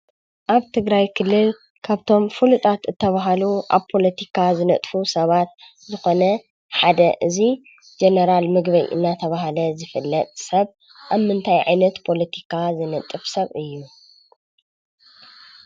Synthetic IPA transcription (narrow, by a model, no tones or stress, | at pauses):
ʔaβt̪ʰɨɡɾajkʰɨlːɨl | kʰaβt̪ʰo̞mfulut̪ʰʼat̪ɨt̪ʰːɐβaɦaluʔa̰βpʰo̞lɐt̪ʰikʰazɨnɐt̪ʼfusɐβat̪ | zɨxo̞nɐ | ħad̪ɐʔɨzi | d͡ʒenɐɾalmɨɡbɐjʔɨ̰nːat̪ʰɐβaɦalɐzɨfɨlːɐt̪ʼsɐβ | ʔaβmɨnt̪ʰajʕa̰jnɐt̪pʰo̞lɐt̪ʰi̥kʰazɨnɐt̪ʼɨfsɐβɨjːu